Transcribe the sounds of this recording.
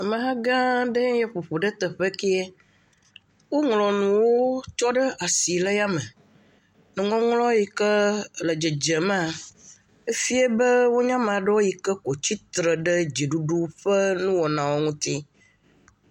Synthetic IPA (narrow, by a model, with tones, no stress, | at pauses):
a˨mə̃˨ɦa˦ɡã˦ɖə˦jɛ˦ɸo˨ɸo˨ɖə˦t̪ə˨ɸə˦ke˦e˦ | wo˦ŋlɔ˨nũ˨wo˦t͡ʃɔ˦ɖə˦a˨si˨lə˦ja˦mə˨ | nũ˨ŋɔ̃˦ŋlɔ̃˦ji˨kə˦lə˨d͡ʒɛ˨d͡ʒə˨mã˦˨ | e˦fi˦e˦bə˦wo˦ɲã˦mã˨ɖə˦wo˦ji˨kə˦ko˨t͡ɕi˦t̪ɾə˨ɖə˦d͡ʑi˨ɖu˦ɖu˦ɸə˦nũ˦wɔ˨nã˨wo˦ŋũ˦t̪i˦